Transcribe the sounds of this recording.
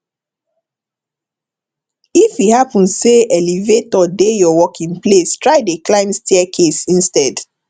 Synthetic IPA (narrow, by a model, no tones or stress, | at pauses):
ifihapɔ̃nseɛlivetɔdejɔwɔkĩŋplestɹaɪdeklãɪ̃mstʰiɛkʰesĩnstɛd